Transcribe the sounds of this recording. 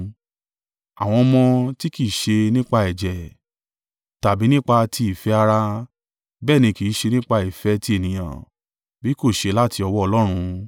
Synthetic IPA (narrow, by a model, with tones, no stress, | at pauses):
a̰˨w̃ɔ̃˧mɔ̃˧ti˦ki˨ʃe˧nĩ˦k͡pa˧ɛ˨d͡ʒɛ˨ | ta˨bi˨˦nĩ˦k͡pa˧ti˧i˨fɛ˨˦a˧ɾa˧ | bɛː˦˨nĩ˧ki˨˦ʃe˧nĩ˦k͡pa˧i˨fɛ˨˦ti˧e˨nĩ˨j̃ã̰˨ | bi˨˦ko˦˨ʃe˧la˦ti˧ɔ˧wɔ˦ɔ˧lɔ˦ɾ̃ũ˧